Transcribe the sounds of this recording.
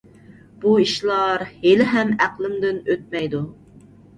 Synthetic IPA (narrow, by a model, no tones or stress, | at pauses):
b̥uiʃlˠɑɾhelɪɦɛmæqlˠɪmd̪ɪnøt̪̚mɛjd̪u